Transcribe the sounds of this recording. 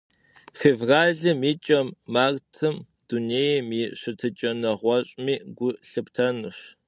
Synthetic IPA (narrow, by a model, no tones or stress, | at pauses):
feːvraːɮɨmiːt͡ʃʼɐmːaːrtʰɨm | d̥uneːjmiɕɨtʰɨt͡ʃʼɐnɐʁʷɔɕʼmiːɡʷʊɬɨptʰɐnɨɕ